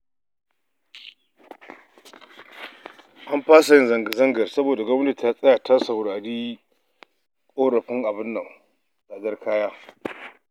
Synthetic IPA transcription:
ʔa˦mɸaː˦sa˨jɪ˦nzɐ˨ŋɡa˨zɐ˦ŋɡɐ˨rsɐ˦boː˨da˨ɡɐ˦ti˨ta˦sʼɐ˦ja˨tʰa˦sɐ˨wɽaː˨ɽiː˦ | kʷʼoː˦ɽɐ˨ɸɪ˦ŋʔa˨bɪ˦nːɐ˨ŋ | daː˨zɐ˦rkʰaː˦jaː˦

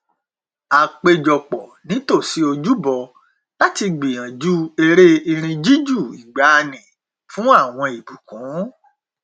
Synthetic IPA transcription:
a˨k͡pe˧d͡ʒɔ˨k͡pɔ˨nĩ˨˦to˦˨si˨˦o˧d͡ʒu˦bɔ˧ | la˦ti˧ɡ͡bĩ˨ã˨d͡ʒu˦e˧ɾe˦i˧ɾ̃ĩ˧d͡ʒi˦d͡ʒu˦˨i˨ɡ͡ba˨˦˧nĩ˨ | fũ˦a˦˨w̃ɔ̃˧i˨bu˨kũ˨˦

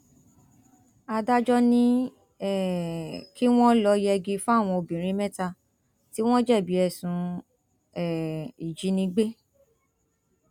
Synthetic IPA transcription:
a˧da˦d͡ʒɔ˦nĩ˦ | ɛ˦˨ki˦w̃ɔ̃˦lɔ˧jɛ˧ɡi˧fũ˦a˦˨w̃ɔ̃˧o˧bĩ˨ɾ̃ĩ˨˦mɛ̃˦ta˧ | ti˦w̃ɔ̃˦d͡ʒɛ˦˨bi˨˦ɛ˧˨sũ˨˦ | ɛ˨i˨d͡ʒi˨˦nĩ˧ɡ͡be˦

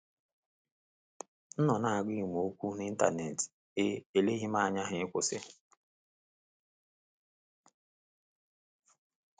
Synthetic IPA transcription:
n̩˦nɔ˨na˨a˨ɡʷi˦˨m˨o˦kʷu˦ni˦n̩˦ta̰˨ne˨t | e˦e˨le˦ɦi˦m˦a˦a˨ɲa˦ɦɪ˨e˦kʷʊ˨sɪ˦

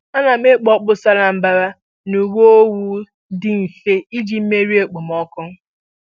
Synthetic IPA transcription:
a˦na˨m˦e˦k͡pɔ˦k͡pʊ˦sa˦ɾa˨m̩˦ba˦ɾa˦ | nu˨ɡʷo˦o˦wu˦ | dɪ˨n̩˨fe˦i˦d͡ʒi˨m̩˦me˦ɾi˦e˨k͡po˨m˦ɔ˦kʊ˦

